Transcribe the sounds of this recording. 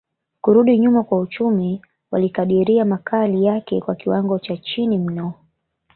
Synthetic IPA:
kuɾuɗiɲumakwaut͡ʃumi | walikaɗiɾiamakʰalijakɛkwakiwaŋɡɔt͡ʃat͡ʃinim̩nɔ

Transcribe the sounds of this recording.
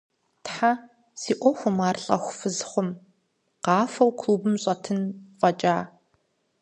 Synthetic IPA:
tħa | siːʔʷɔxʷʊmaːrɬʼɐ̰xʷfɨzχʷʊm | qɑːfɐwkʰluːbɨmɕʼɐtʰɨnfʼɐt͡ʃʼaː

